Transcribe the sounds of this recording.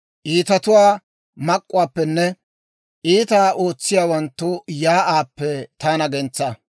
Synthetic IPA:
ʔiːt̪ɐt̪ʊwaː | mɐkʼːʊwaːpːɛnːɛ | ʔiːt̪aːʔo̞ːt͡sːɪjaːwɐnt̪ːʊjaːʔaːpːɛt̪aːnɐɡɛnt͡sːɐ

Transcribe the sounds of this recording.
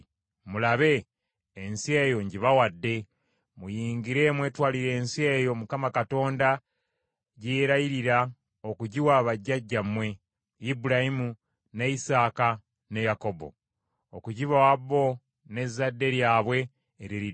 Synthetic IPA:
mulaβe̞ː | nsiejo̞ɲɟiβawadːe̞ | mujiːŋɡiɾe̞mwe̞ːtwaːliɾe̞ːnsie̞jo̞mukamakato̞ːnda | ɟeːɾajiɾiɾa | o̞kuɟiwaβaɟːaɟːamwe̞ | ibuɾaimu | neisaːka | ne̞jako̞bo̞̰ | okuɟiβawabːo̞ | ne̞zːadːe̞ɾjaːβwe̞ː | ɾiɾi

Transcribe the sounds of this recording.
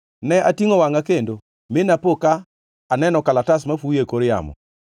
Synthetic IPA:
nɛʔatiŋowaŋakendo | menapokaː | nɛnɔkalatasmafujekoɾja̰mɔ̰

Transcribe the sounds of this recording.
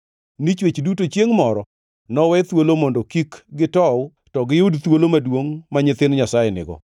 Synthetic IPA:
nit͡ʃwet͡ʃdutot͡ʃjeŋmɔɾɔ | nɔwɛt̪wolomondokikɡɪtɔw | tɔɡɪudt̪wolomadwoŋmaɲɪt̪ɪnɲasajɛnɪ̰ɡɔ̰

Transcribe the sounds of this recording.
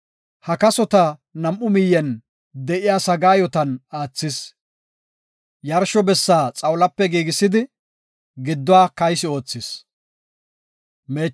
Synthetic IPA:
hɐkɐsɔt̪ɐnɐmʔʊmɪjːɛn | d̪ɛʔɪjaːsɐɡaːjɔt̪ɐnaːt͡sːɪs | jɐɾʃɔbɛsːaːt͡sʼɐwlɐpːɛɡiːɡɪsɪd̪ɪ | ɡɪd̪ːɔwaːkɐjsɪo̞ːt͡sːɪs | meː

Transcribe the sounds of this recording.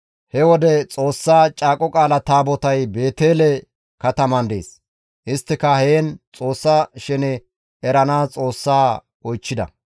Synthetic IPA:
hɛwɔd̪ɛt͡sʼo̞ːsːaːt͡ʃʼaːkʼɔkʼaːlɐt̪aːbɔt̪ɐjbe̞ːt̪eːlɛ | kɐt̪ɐmɐnd̪ḛːs | ʔɪst̪ːɪkɐheːnt͡sʼo̞ːsːɐʃɛnɛ | ɛɾɐnaːt͡sʼo̞ːsːaː | ɔjt͡ʃːɪd̪ɐ̰

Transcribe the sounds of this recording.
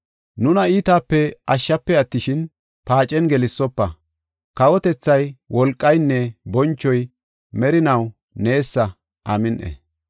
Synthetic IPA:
nʊnɐiːt̪aːpːɛɐʃːɐpːɛɐt̪ːɪʃɪn | paːt͡ʃʼɛnɡɛlɪsːɔpːɐ | kɐwɔt̪ɛt͡sːɐjwɔlkʼːɐjnːɛbɔnt͡ʃːɔj | mɛɾɪnɐw | ne̞ːsːɐ | ʔɐmɪnʔɛ̰

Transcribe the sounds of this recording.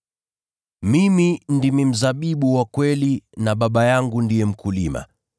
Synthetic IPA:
mimindimim̩zaɓiɓuwakwɛlinaɓaɓajaŋɡundijɛm̩kulima̰

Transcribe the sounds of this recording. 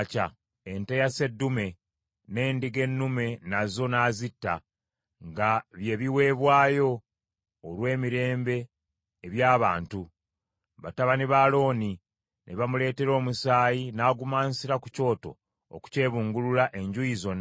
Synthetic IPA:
ca | entejase̞dːume̞ | ne̞ːndiɡe̞nːume̞nazo̞naːzitːa | ŋɡaβje̞ːβiwe̞ːβwaːjo̞ː | lwe̞ːmiɾe̞ːmbe̞ː | βjaːβaːntu | βataβaniβalo̞ːni | nʔeβamule̞ːte̞ɾo̞ːmusaːjinaːɡumaːnsiɾakuco̞ːto̞̰ | o̰ku̥ce̞ːβuːŋɡululaʔe̞ɲɟujizo̞nː

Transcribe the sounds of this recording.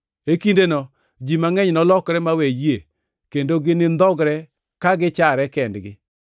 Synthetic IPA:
ekindenɔ | d͡ʒimaŋɛɲnɔlɔkɾɛmawejie | kendoɡɪnɪnd̪ɔɡɾɛ | kaɡɪt͡ʃaɾɛkɛndɡɪ

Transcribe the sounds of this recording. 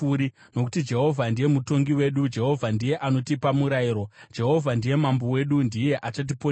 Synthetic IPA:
uɾi | no̞kutid͡ʒe̞ɦo̞vʱandije̞muto̞ŋɡiwe̞ɗud͡ʒe̞ɦo̞vʱandije̞ʔano̞tipamuɾaiɾo̞d͡ʒe̞ɦo̞vʱandije̞mambo̞we̞ɗundije̞ʔat͡ʃat̬ipo

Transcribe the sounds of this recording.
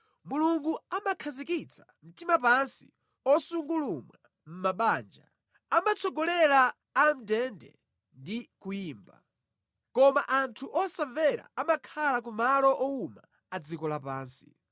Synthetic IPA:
muluŋɡuamakʰazikit͡sʰḁm̩timap̬ansḭ | ɔsuŋɡulumwa | m̩maɓaːnd͡ʒa̰ | amat͡sɔɡɔlɛlaː | m̩dɛndɛ̰ | ndikujiːmba̰ | kɔmaʔantʰuʔɔsavɛɾa̰amakʰalak̬umalɔʔɔuma | ad͡zikɔlapaːnsi̥̰

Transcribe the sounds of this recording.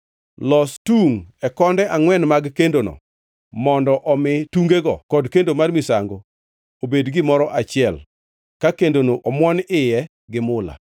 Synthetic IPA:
lɔstuŋɛkɔndɛʔaŋwɛnmaɡkendonɔ̰ | mɔndɔʔɔmɪtuŋɡeɡɔkɔdkendomarmisaŋɡo | obedɡɪmɔɾɔʔat͡ʃɪɛl | kakendonoʔɔmwɔnɪjɛ | ɡɪmʊla̰

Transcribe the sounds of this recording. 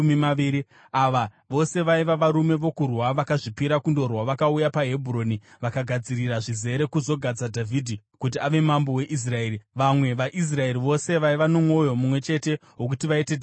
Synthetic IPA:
mimaʋiɾi | aʋa | ʋo̞se̞ʋaiʋaʋaɾume̞ʋo̞kurwaʋakaʐipiɾakundo̞rwaʋakaujapaɦe̞bʱuro̞ːni | ʋakaɡʱad͡ziriraʐize̞ɾe̞kuzo̞ɡʱad͡zadʱavʱidʱi | kut̬iaʋe̞mambo̞we̞ʔis̬rae̞ːɾiʋamwe̞ʋaʔis̬rae̞riʋo̞se̞ʋaiʋano̞mwo̞jo̞mumwe̞t͡ʃe̞te̞ɦok̬utiʋaite

